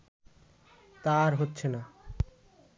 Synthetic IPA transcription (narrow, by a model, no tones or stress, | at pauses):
t̪aɾɦotːɕʰena